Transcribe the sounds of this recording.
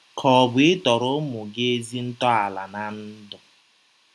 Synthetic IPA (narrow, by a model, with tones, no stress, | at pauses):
kʰɔ˨bʊ˦ɪ˦tɔ˨ɾʊ˦mʊ˨ɡe˦zi˦n̩˦tɔ˦a˨la̰˨na˨n̩˦dɔ˨